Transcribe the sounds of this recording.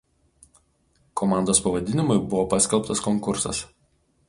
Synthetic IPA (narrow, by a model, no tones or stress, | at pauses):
kʰɔmɑˑnd̪oːspɐʋɐd̪ʲɪnʲɪmʊɪbʊʋopɑˑsʲkʲɛlˠpt̪ɐskɔŋkʊɾsɐ̰s